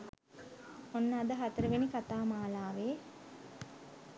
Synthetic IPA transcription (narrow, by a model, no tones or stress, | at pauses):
onːaːd̪əɦat̪əɾəʋenikat̪aːmaːlaːʋeː